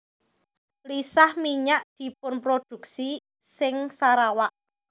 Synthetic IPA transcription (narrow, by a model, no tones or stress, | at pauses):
lisahmiɲaʔd̪̥i̤pʊnpɾod̪̥ṳk̚si | sɪŋsaɾawaʔ